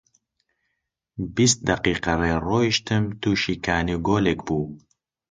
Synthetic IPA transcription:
bist̪̚d̪ɐqiːqɐreːroːiʃt̪ʰɨmt̪uːʃiːkʰaːniɡoːleːkbuː

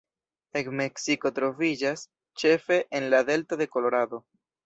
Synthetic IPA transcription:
ekmeksiko̞t̪ɾo̞vid͡ʒas | t͡ʃe̞fe̞ʔenlad̪e̞ltoðe̞ko̞lo̞ɾad̪o̞

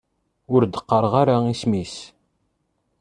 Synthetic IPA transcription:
ʊɾd̪əqːəɾˤʁaɾaismis

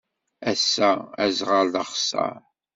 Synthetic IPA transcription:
æsːææzʁəɾðəχsɑ̰ɾ

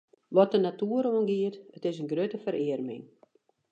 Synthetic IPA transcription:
ʋɔt̚ənatuəɾoənɡiətətɪsənɡrøtəfəɾʔɪərmɪ̰ŋ

